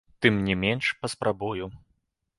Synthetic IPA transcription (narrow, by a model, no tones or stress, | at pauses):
t̪ɨmnʲɛmʲɛnʂpɐspɾabuju